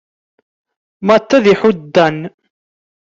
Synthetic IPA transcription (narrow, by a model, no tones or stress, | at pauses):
mæt̪ːæðiħʊd̪ːæn